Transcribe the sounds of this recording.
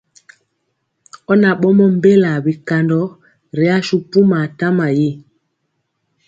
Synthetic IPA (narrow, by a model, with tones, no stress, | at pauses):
ɔ˦na˨ɓɔ˦mɔ˦m˦be˦la˨bi˨ka˨ndɔ˨˦ | ɾe˨˦a˦ʃu˨pu˦ma˨ta˦ma˨ji˦